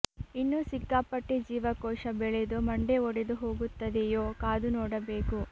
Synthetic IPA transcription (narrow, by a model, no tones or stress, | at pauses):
inːusiɡːaːpɐʈːed͡ʒiːʋɐkɔːʃɐbɛɭed̪umɐɳɖeɔɽed̪uɦoːɡut̪ːɐd̪ejoːkaːd̪unɔːɽɐbe̞ːku